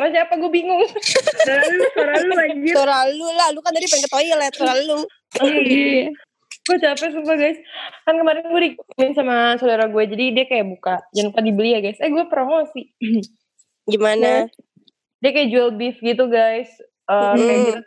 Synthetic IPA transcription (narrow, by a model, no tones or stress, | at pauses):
ɾasiapaɡuabiŋʊŋ | alut̪oɾalulaɡioɾalulalukandadipɛndɛt̪ojlaat̪oɾalu | ə | ɡ̥uat͡ʃapɛs̬upaɡajskankəmaɾɪnɡuadimɪnsamasodaɾaɡuad͡ʒadidiakajabukad͡ʒant̪adibəliahɡajsaɡuɛpəɾomɔsɪ | ɡimana | diakajad͡ʒualbɪfɡit̪̬uɡajs | əkajaɡit̪u